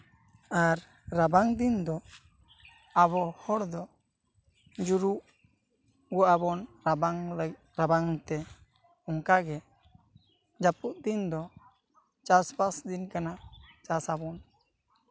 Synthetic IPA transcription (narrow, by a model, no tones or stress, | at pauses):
aɾː | abaŋd̪ind̪ɔ | aβɔhɔɽd̪ɔ | d͡ʒuɾuʔ | ɡuʔabɔnɾabaŋlɡ | ɾabaŋt̪ɛ | ɔŋkaɡɛ | d͡ʒapuʔ̚d̪ind̪ɔ | t͡ʃaspasd̪inkanat͡ʃasabɔn